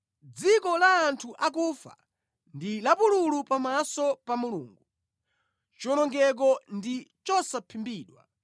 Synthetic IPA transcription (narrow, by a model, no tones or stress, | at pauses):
d͡zikɔlaːntʰuʔakufa̰ | ndilapululupamasɔpamuluːŋɡu | t͡ʃɔnɔŋɡɛk̬ɔndit͡ʃɔsapʰimbiːɗwa̰